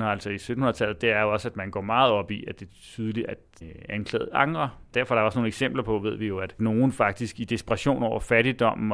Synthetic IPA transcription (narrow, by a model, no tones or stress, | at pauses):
æl̰sɒisød̥n̩hunɐðˠt͡sʰæl̰ð̩ˠd̥e̝æɐjo̝ɒ̽sæd̥mænɡ̥ɒ̰ːmɑ̈ːð̞̩ˠɒ̽b̥iæd̥e̝t͡sʰyð̞ˠəliæ | ænkʰlɛ̰ːð̞̩ˠɑ̈ŋʁɐd̥æɐfɒ̽ɾ̥ɑɒsno̝ːneɡ̥sem̰b̥lɐpʰɒ̽ʋe̝ð̞̰ˠʋijo̝æd̥no̝ːn̩fɑ̈ɡ̥̚d̥isɡ̥id̥e̝sb̥ʁɑɕo̝̰ːnɒʊ̰ɐfæɾ̥id̥ɒ̽m̰n̩